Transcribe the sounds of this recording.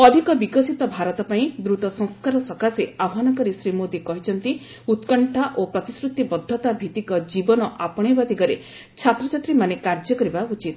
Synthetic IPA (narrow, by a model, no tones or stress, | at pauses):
ɔd̪ʱikɔbikɔsit̪ɔbʱaɾɔt̪ɔpaĩd̪ɾut̪ɔsɔ̃ŋ̃skaɾɔsɔkaseabɦanɔkɔɾisɾimod̪ikɔɦit͡ʃʰɔnt̪i | ut̪kɔɳʈʰaʔopɾɔt̪isɾut̪ːibɔd̪ʱːɔt̪abʱit̪ikɔd͡ʒibɔnɔʔapɔɽ̃ebat̪iɡɔɾe | t͡ʃʰat̪ɾɔt͡ʃat̪ɾimanekaɾd͡ʒɔkɔɾibaut͡ʃit̪